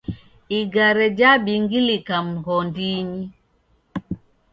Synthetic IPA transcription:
iɡaɾɛd͡ʒabiŋɡilikam̩ɣɔndiɲi

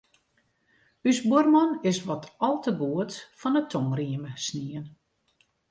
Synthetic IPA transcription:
ysbʊrmɔnɪsʋɔtʰɔlˠtəɡuətfɔnətʰoŋriəməsniən

